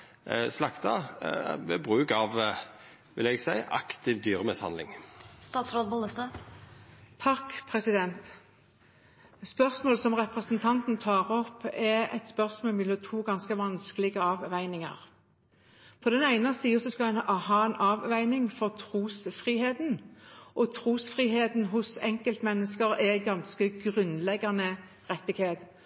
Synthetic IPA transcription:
slɑkt̪ɑ̰ʋɛ̰bʁʉːkɑʋ | ʋɪlɛɡsæɪʔɑ̰kt̪ɪʋd̪yːʁəmɪshɑ̰nlɪ̰ŋst̪ɑːt̪sɾoːd̪bʊləst̪ɑ | t̪ʰɑkpʰʁɛsɪd̪ɛnt̪ | spœʁsmoːləsɔmʁɛpʁəsnt̪ʰɑnt̪n̩t̪ʰɑːʁɔpːɛɛ̰t̪spœʁsmoːlmɪlət̪ʰuːɡɑnskəʋɑnskəlɪɡəɑːʋʋæɪnɪŋə̰ʁ | pʰɔd̪ɛnæɪnɑsiːəsɔskɑɛnhɑːɛnʔɑːʋʋæɪnɪŋfɔʁt̪ʰʁuːsfʁiːheːd̪nʔɔt̪ʰʁuːsfʁiːheːt̪nɦʊsɛŋkəlt̪mɛnːəskəʁɛɡɑnskəɡʁʉnlɛɡːɑnə | ʁɛt̪ːɪɡheːt̪

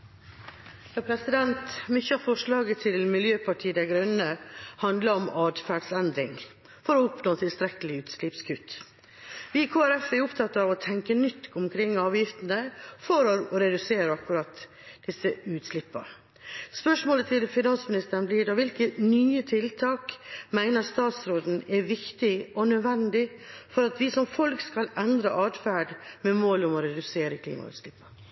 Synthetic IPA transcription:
j̪ɑpʰɾɛsɪd̪ɛnt̪mʏçəɑɾfɔʂɭɑːɡət̪ʰɪlmɪljøːpʰɑʈʰiːəd̪æɡɾœnːəhɑnd̪ləɾɔmɑːd̪fæːɖsɛnd̪ɾɪŋ | fɔɾɔʊpnoːt̪ʰɪlst̪ɾɛkəlɪʉːt̪slɪpskʰʉːt̪ | ʋɪkʰoːæɾɛfɛɾʊpt̪ʰɑt̪ɑʋɔt̪ʰɛŋkənʏt̪ːʊmkʰɾɪŋːɑːʋjɪft̪ənəfɔɾɔɾɔɾɛd̪ʉseːɾəɑkːʉɾɑt̪ | d̪̥ɪsəʉːt̪slɪpːə̰ɾ | spœʂmoːlət̪ʰɪlfɪnɑnsmɪnɪst̪əɾnbliːɖɑʋɪlkənyːət̪ʰɪlt̪ʰɑːkmæɪnəɾst̪ɑːt̪sɾoːd̪n̩ɛʋɪkt̪ɪʔɔnœʋɛnd̪ɪfɔɾɑt̪ʋɪsɔmfɔlkskɑlɛnd̪ɾə̰ʔɑːd̪fæːɖmɛmoːlʊmɔɾɛd̪ʉseːɾəkʰlḭːmɑ̰ʉ̰ːt̪slɪpːə

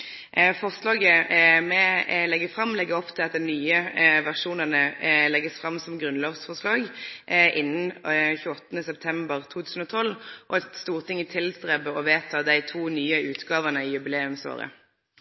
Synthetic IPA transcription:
fɔʁʂlɑːɡəmɛlɛɡəfʁɑmːlɛɡːəɔpːt̪ʰɪlɑt̪̚d̪ɛɪnyːəʋæʁʂuːnənəlɛɡːəsfʁɑmːsɔmɡʁʉnloːʋsfɔʁʂlɑːɡʔɪnːənçʉːɔt̪ːənəsɛp̚t̪ʰɛmbəʁt̪ʰuːt̪ʰʉːsn̩ɔːt̪ʰɔlːʔɔɛt̪st̪uːʁt̪ʰɪŋːət̪ʰɪlst̪ʁɛbəɔʋeːt̪ʰɑːd̪æɪt̪ʰuːnyːəʉːt̪ɡɑːʋənəiːjʉbɪleːʉmso̰ːʁə̰

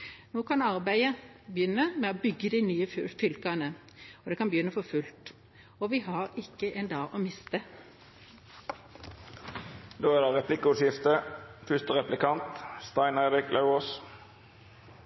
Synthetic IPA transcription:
noːkʰɑnɑʁbæɪəbjʏnːəmɛoːbʏɡːəd̪iːnyːəfʏlkɑnə | ɔd̪ɛkɑnbəjʏnːəfɔfʉlt̪ | ɔʋiːɦɑɾɪkːəʔɛnd̪ɑːʔɔːmɪst̪ə | d̪oːæːʁɑʁɛpʰlɪkəʊʂɪft̪əfʏst̪əʁɛplɪkɑnt̪st̪ɑɪnæɪɾɪklʔəʊos

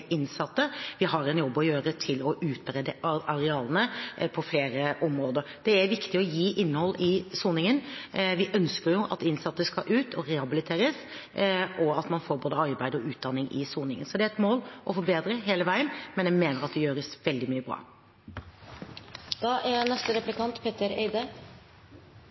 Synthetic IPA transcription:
ɪnsɑt̪ːəʋɪɦɑɾɛnjɔbːɔjøːɾət̪ʰɪlɔʔʉːt̪̚bɾɛd̪əɑɾɛɑːlənəpʰɔfleːɾəʔɔmɾoːd̪əɾd̪̥ɛæɾʋɪkt̪ɪɔjiːʔɪnːəhɔlːɪsuːnɪŋənʋɪʔœnskəɾjʊʔɑ̰t̪ɪnsɑt̪ːəskɑʔʉːt̪ʰɔɾɛhɑbɪlɪt̪ʰeːɾəs | ʔɔɑt̪mɑnfoːɾboːd̪əɑɾbæɪd̪ɔʉːt̪̚d̪ɑnːɪŋʔɪ̰suːnɪŋənsɔd̪ɛæɾɛt̪moːlʔɔfɔɾbeːd̪ɾəɦeːləʋæɪənmɛnjæmeːnəɾɑt̪̚d̪ɛjøːɾəsʋɛld̪ɪmyːəbɾɑ̰ː | d̪̥ɑːʔænɛst̪əɾɛplɪkɑnt̪pʰeːt̪əɾḛɪd̪ə

